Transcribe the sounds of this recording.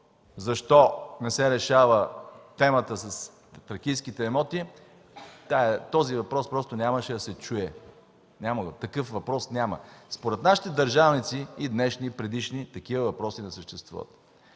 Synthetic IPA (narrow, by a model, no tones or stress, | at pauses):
zɐʃt̪ɔnɛsɛɾɛʃavət̪ɛmət̪əsɐs | t̪ɾɐkijskit̪ɛɛmɔt̪i | t̪aɛt̪ɔzivɐpɾɔspɾɔst̪onʲaməʃɛd̪ɐsɛt͡ʃuɛ | nʲaməɡt̪ɐkɤfvɐpɾɔsnʲamə̰spoɾɛt̪naʃi̥t̪ɛd̪ɐɾʒavnit̪siid̪nɛʃnipɾɛd̪iʃnit̪ɐkivəvɐpɾɔsinɛsəʃt̪ɛst̪vṵvə̰t̪